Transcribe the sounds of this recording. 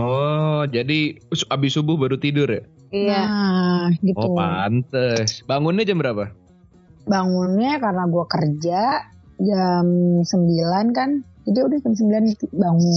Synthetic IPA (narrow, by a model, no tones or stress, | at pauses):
ɔd͡ʒadisabɪsubʊhbaɾut̪idʊrja | ija | ɡitupant̪əsbaŋʊnɲad͡ʒambəɾapa | baŋʊnɲakarənaɡuakərd͡ʒaʔd͡ʒamsəmbilankand͡ʒadiudahd͡ʒams̬əmbilant̪ibaŋʊ